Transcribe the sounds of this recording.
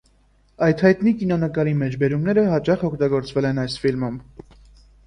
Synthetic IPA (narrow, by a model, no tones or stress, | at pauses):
ɑjt̪ʰhɑjt̪nikinɔnəkɑɾimɛt͡ʃʰbɛɾumnɛɾəɦɑt͡ʃɑχɔkʰt̪ɑɡɔɾt͡svɛlɛnɑjsfilmum